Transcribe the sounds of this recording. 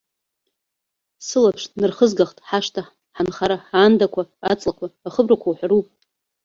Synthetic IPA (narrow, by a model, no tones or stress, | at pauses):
sɨlapʰʂʼnɨrχəzɡaχtʼħaʂtʰa | ħanχaɾaħaːndakʷʰaat͡sʼlakʷʰaːχəbrakʷʰawħʷᶣarupʼ